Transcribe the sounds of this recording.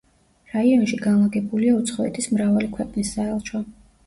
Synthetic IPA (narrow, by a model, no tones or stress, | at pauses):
ɾaiɔnʃiɡanlˠaɡɛbuliaut̪sʰχɔɛt̪ʰismɾavalikʰwɛqʼnisːaɛlˠt͡ʃʰwa